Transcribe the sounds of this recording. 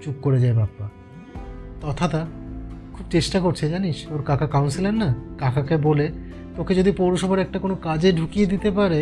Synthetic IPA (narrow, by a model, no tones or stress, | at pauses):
t͡ɕukkoɾed͡ʑaebabːa | t̪ɔt̪ʰat̪akʰub̚t͡ɕesʈakoɾt͡ɕʰed͡ʑaniʃoɾkakʰakawnsilenːakakʰakebole | t̪oked͡ʑod̪ipowɾoʃɔbʱaɾɛk̚ʈakonokad͡ʑeɖʱukijed̪it̪epaɾe